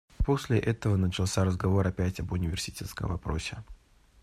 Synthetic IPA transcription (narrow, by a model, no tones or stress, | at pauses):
po̞sʲlʲɪʔɛt̪əvənət͡ɕɪlˠsʲaɾəzɡɐvo̞ɾɐpʲætʲɐbʊnʲɪvʲɪrsʲɪ̥tʲet̪skə̰mɐpɾo̞sʲɪ